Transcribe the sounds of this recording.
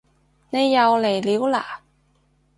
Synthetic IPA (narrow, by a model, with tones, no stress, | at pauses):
ne˨˧jːɐ˨˧wle˨˩jliː˨˥wla̰ː˨˩